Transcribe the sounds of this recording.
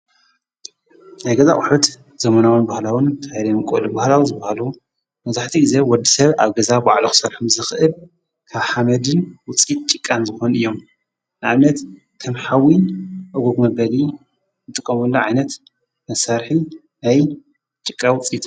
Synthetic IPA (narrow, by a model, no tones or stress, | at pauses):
najɡɐza̰χʼʊħut̪ | z̥ɐmɐnawɨnbahlawɨnt̪ʰaɾemɨkʼo̰lubahlawizɨbahalu | mɐzaħt̪ʰiɡɨzewɔd̪isɐβa̰βɡɐzabaʕluxɨ̥sɐɾħumzɨxʔɨl | kʰaβħamɐd̪ɨnwʊt͡sʼit̪̚t͡ʃʼɨkʼːanzɨxo̞nɨjːom | nɨʕaβnɐt̪ | kʰɐmħawinʔɐɡoɡmɐbɐli | zɨt̪ʼɨkʼːɐmulːoʕajnɐt̪ | mɐsaɾħi | naj | t͡ʃʼɨkʼːawʊt͡sʼit̪ʼ